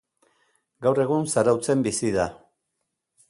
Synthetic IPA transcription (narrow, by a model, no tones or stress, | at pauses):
ɡawre̞ɣ̞unsaɾawt͡se̞mbisiða